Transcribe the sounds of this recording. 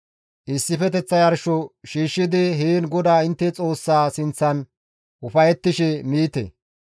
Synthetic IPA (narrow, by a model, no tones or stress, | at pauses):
ʔɪsːɪfɛt̪ɛt͡sːɐjɐɾʃɔʃiːʃːɪd̪ɪɦeːnɡɔd̪aːɪnt̪ːɛt͡sʼo̞ːsːaːsɪnt͡sːɐn | ʔʊfɐjɛt̪ːɪʃɛmiːt̪ɛ̰